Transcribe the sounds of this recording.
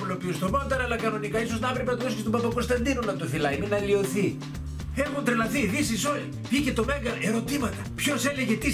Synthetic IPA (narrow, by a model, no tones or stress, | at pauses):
ulopiust̪omont̪ɐnɐlɐkɐno̞nikɐiso̞znɐɐpɾepenɐt̪oðos̬kist̪obɐpɐko̞nst̪ɐnd̪inonɐt̪ofilɐiminɐlio̞θi | e̞xunt̪ɾelɐθiðisiso̞li | vice̞t̪o̞me̞ŋɡɐeɾo̞t̪imɐt̪ɐpço̞se̞le̞ʝe̞t̪i